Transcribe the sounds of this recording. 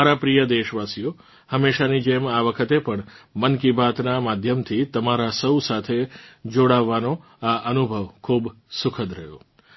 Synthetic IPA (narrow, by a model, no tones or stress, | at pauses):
aɾapɾijəd̪eʃʋasijo | həmːeʃanid͡ʒemaʋəkʰət̪epəɳmənkibʱat̪namad̪ʱjəmt̪ʰit̪əmaɾasəwsat̪ʰed͡ʒoɽaʋːano | aʔənubʱəʋkʰub | sʊkʰəd̪ɾəɦjo̰